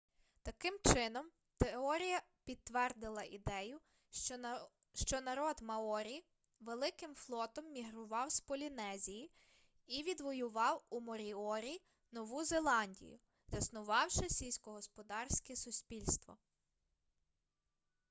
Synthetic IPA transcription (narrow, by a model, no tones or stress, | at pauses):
t̪ɐkɪmt͡ʃɪn̪ɔm | t̪eɔɾʲijɐ | pʲit̪ːʋɛrd̪ɪlˠɐʔid̪ɛjʊ | ʃt͡ʃɔnɐɾɔd̪mɐɔɾʲij | ʋelˠɪkɪmflˠɔt̪ɔmːʲiɦɾʊʋɑwspɔlʲinɛzʲiji | iʋʲid̪ʋɔjʊʋɑwumɔɾʲiɔɾʲi | nɔʋuzelˠɑnʲdʲḭjʊ̰ | zɐsnʊʋɑwʃɪsʲilʲsʲkɔɦɔspɔd̪ɑrsʲkɛsʊsʲpʲilʲst̪ʋɔ̰